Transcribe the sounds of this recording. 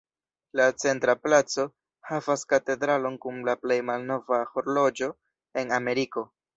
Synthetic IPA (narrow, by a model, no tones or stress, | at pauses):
lat͡se̞ntɾaplat͡so̞ | havaskate̞dɾalo̞nkumlaple̞jmalno̞vaho̞ɾlo̞d͡ʒo̞ | e̞name̞ɾiko̞